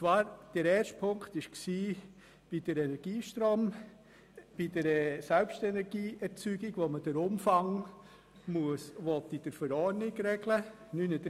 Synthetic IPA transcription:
t͡sʋɑːɾd̥ɛɾɛːɾʃt̚pʰʊŋktɪʃksiː | b̥id̥əɾɛnɛɾɡ̥iːʃtɾoːm | b̥id̥əɾɛsɛlpʃtɛnɛɾɡiːɛɾt͡syːɡɪɡʋoməd̥əɾʊmfɑŋ | muəsʋɔtid̥əɾfəɾɔːɾnɪɡɾɛɡlə | nynəd

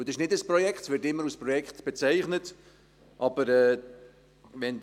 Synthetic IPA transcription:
ud̪ɪʃnɪdəsprɔjɛkχtsʋɪːtɪmːəɾuspɾɔjɛkχtb̥et͡sæɪχnət | ʔɑb̥əɾɛː | vɛn

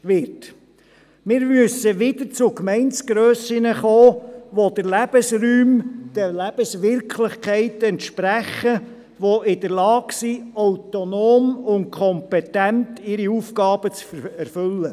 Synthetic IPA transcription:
ʋɪɾt | mɪːɾmɵsəʋɪdət͡sʊkmɛɪnt͡sɡ̥ɾœːsɪnəχoːʋod̥̪əɾlæb̥əsryːmd̥əlæb̥əsʋɪɾkʰlɪχkʰɛɪtɛntʃpɾæχə | ʋoʔɪd̥əɾlɑːksiawtonoːmʊnt̚kʰɔmpɛtæntɪɾiuːfɡɑːb̥ət͡sfɛɾfʏlːə

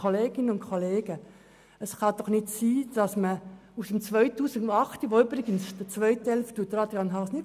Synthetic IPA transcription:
oleːɡɪnənʊntkʰoleːɡə | əsχɑd̥ɔχnɪtsiːd̥ɑsməusəmt͡sʋœʏtuːsɪɡɑχtiʋoʏbɾɪɡənsd̥ət͡sʋœʏthɛlftut̪ɾɑdjɑnɦɑsnɪ

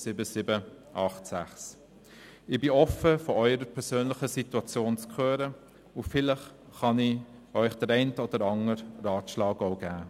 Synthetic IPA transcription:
sɪbəsɪbə | ʔɑχtsæ̰χs | ɪbiɔfəfɔœʏəɾəpʰɛɾsøːnlɪχəsituɑt͡sjoːnt͡skχøːɾə | ʊfɪlɪχ | χɑni | œʏχd̥əɾɛɪntəɔd̥əɾɑŋəɾrɑːtʃlɑːɡaʊɡ̥æː

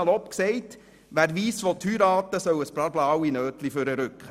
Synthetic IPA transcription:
lɔpksɛɪt | ʋæːɾʋiːsfɔt̪ʰyːɾɑːtəsœwəsbɾɑɾblawinøːtliføɾəɾʉkχə

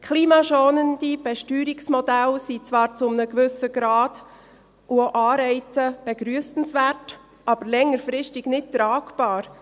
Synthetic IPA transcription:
kʰχliːmɑʃoːnəndib̥ɛʃtyːɾiksmɔdælsit͡svɑːɾt͡sʊmnəɡʋʏsəɡ̥ɾɑːd̥ | ʔuoʔɑːɾɛɪt͡səb̥ɛɡɾyəsn̩svært | ɑb̥əɾlɛŋːəɾfɾɪʃtɪɡ̥nɪt̚tɾaːɡb̥ɑːɾ

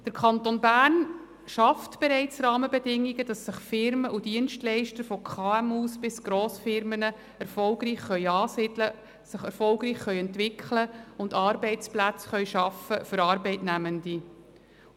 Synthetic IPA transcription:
d̥əɾkʰɑntonbæːrn | ʃɑftb̥ɛɾɛɪt͡srɑːməbɛdɪŋːiɡəd̥ɑsːɪχfɪɾməʔud̥iənʃtlɛɪʃtəɾfɔkʰχɑːɛmuːsb̥ɪsɡ̥ɾoːsfɪɾmənə | ɛɾfɔlɡriːχχœʏɑːsɪd̥lə | sɪχɛɾfɔlɡɾiːχχœʏɛntvɪkʰləʊndɑːɾbɛɪt͡splæt͡sχœʏʃɑfəfʏɾɑːɾbɛɪtnæməndi

